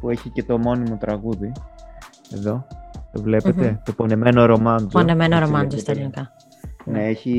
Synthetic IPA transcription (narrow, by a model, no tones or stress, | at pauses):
pue̞çice̞t̪o̞mo̞nimot̪ɾɐɣuði | e̞̰ðo̞vle̞pe̞t̪e̞t̪o̞pone̞me̞noɾo̞mɐnd͡zonemenoɾomɐd͡zost̪elnikɐ | neeçi